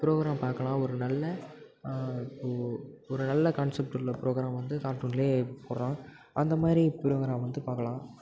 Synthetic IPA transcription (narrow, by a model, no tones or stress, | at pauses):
pɪɾoːɣɾaːmpaːɾkɐɭãːɔɾɯnɐlːɐ | ɪpːoːɔɾɯnɐlːɐkɐːnsɛp̚ʈɯlːɐpɪɾoːɡɪɾaːmʋɐnd̪ɯkaːɾʈuːnɪleːpoːɾɾãː | ʔɐnd̪ɐmaːd̪ɾipɪɾoːɡɾaːmʋɐnd̪ɯpaːɾkɐlãː